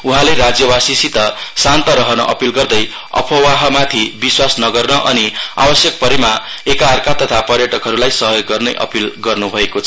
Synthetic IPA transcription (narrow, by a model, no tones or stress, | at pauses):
uɦãleɾad͡zjʌbasisit̪ʌsant̪ʌɾʌɦʌnʌ̰ʔʌpilɡʌrd̪ʌj | ʌ̰pʰʌwaɦʌmat̪ʰibiswasnʌɡʌrnʌʔʌnia̰bʌsjʌk̚pʌɾima | ekarkat̪ʌt̪ʰapʌɾjʌʈʌkɦʌɾulajsʌɦjoɡːʌrnʌjʔʌ̰pilɡʌrnubʱʌekot͡sʰʌ